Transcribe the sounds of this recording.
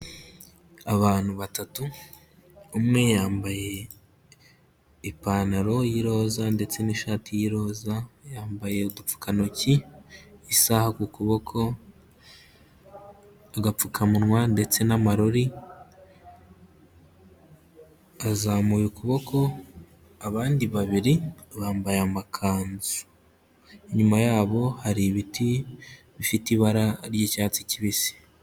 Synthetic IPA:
aβaːn̥huβatatuː | mŋe̞jaːmbaje̞ | ipaːnaɾo̞jiɾo̞ːzande̞t͡se̞niːʃaːtijiɾo̞ːzajaːmbaje̞udup͡fu̥kanoci | isahakukuβo̞kʰo̞ | aɡap͡fukʰamunŋwande̞t͡se̞namaɾoɾi | azaːmujukuβo̞kʰo̞ | aβaːndiβaβiɾiβaːmbajamakʰaːnzu̥ | iɲumajaːβo̞haɾiβiti | βifitiβaɾaɾɟicaːt͡siciβisi̥

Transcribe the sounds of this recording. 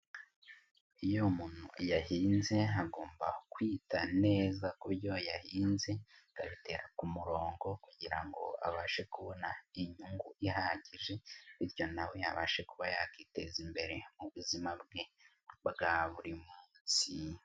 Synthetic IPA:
ijomuːn̥ṵjahiːnze̞aɡo̞ːmba̰kwiːtane̞ːzakuɾjo̞jahiːnze̞ɡaβite̞ɾakumuɾo̞ːŋɡo̞kuɟiɾaŋɡo̞̰a̰βaːʃe̞kuβo̞naiɲuŋɡuʔiɦaɟiʒe̞iɾjo̞nawea̰βa̰ːʃe̞kuβajakite̞zimbe̞ɾe̞muβuzimabɡe̞ | bɡaβuɾimuːnsi

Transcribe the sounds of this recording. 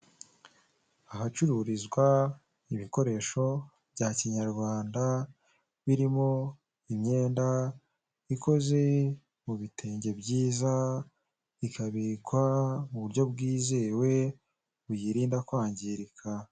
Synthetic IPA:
ahat͡ʃuɾuɾizɡwa | iβiko̞ɾe̞ʃo̞ | bɟaːciɲaɾɡwaːnda | βiɾimo̞ | imɲe̞ːnda | iko̞ze̞ | muβitʰe̞ːɲɟe̞bɟiːza | ikʰaβikwamuβuɾjo̞bɡiːze̞ːwe̞ | βujiɾiːndakwaːɲɟiɾikʰa

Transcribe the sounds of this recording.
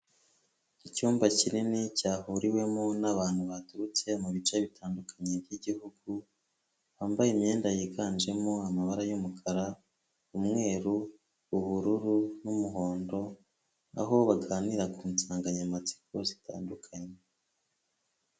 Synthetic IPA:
icuːmbacininicaːhuɾiwe̞monaβaːn̥huβatuɾut͡se̞muβit͡ʃaβitʰaːndukʰaɲeβɟiɟihuɡ̥u | βaːmbajemɲe̞ːndajikʰaːnd͡ʒe̞moamaβaɾajumukʰaɾa | umŋe̞ːɾu | uhuɾuɾunumuɦo̞ːndo̞ | a̰ɦo̞βaɡaːniɾakuːnsaːŋɡaɲamat͡si̥kozi̥ta̰ːndukʰaɲe

